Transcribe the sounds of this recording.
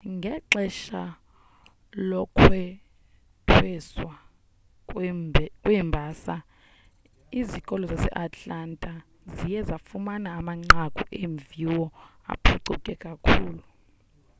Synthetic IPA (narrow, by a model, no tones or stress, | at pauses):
ŋɡʱɛǀɛʃa | lɔkʰwɛ | tʰwɛswa | kʼwɛmbʱaːsa | izikʼɔlɔzasɛ̰ʔat͡ɬʼantʼa | zijɛzafumanaːmaŋ͡ǀakʼuʔeɱviwɔa̰pʰuǀukʼɛkʼakʰuːlu